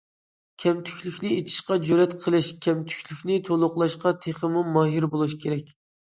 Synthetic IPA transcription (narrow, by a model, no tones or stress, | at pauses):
kʲʰɛmt̪ʰy̥kʲlykʲnɪet̪ʰi̥ʃqɑd͡ʒøɾɛt̪qʰəlˠɨʃkʲʰɛmt̪ʰy̥kʲʰlykʲnɪt̪ʰolˠʊqlˠɑʃqɑt̪ʰeχəmumɑɦiɾbolˠuʃkʲʰeɾɛkʲ